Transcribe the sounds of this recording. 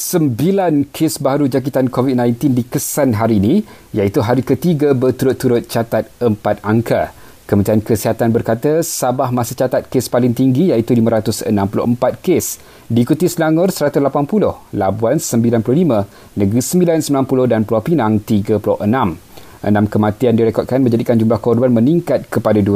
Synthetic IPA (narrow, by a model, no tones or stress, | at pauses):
səmbilankʰesbaɦaɾud͡ʒak̬it̪ankovit̪̚nãjnt̪indikəsanɦaɾiːnĩ | jait̪uɦaɾikət̪iɡabərt̪uɾʊt̪ːuɾʊt̪̚t͡ʃat̪at̪̚əmpat̪̚aŋkʰa | kəmənt̪ɾiankəsiɦat̪anbərkat̪əsabahmasət͡ʃat̪at̪̚kespalɪŋt̪iŋɡijait̪uliməɾat̪ʊsə̰nãmpulʊ̰ʔəmpat̪̚kes | diːkut̪islaŋʊrsəɾat̪uslapanpulʊhlabuansəmbilanpulʊhlimə̃ | nə̃ɡɾisəmbilansəmbilanpulʊhdanpuluahpinaŋt̪iɡəpulʊ̰hənãm | ʔə̰nãmkəmãt̪iandiɾɛkɔt̪̚kanmə̃ɲd͡ʒadikand͡ʒumlahkɔrbanmə̃niŋkat̪̚kəpadadu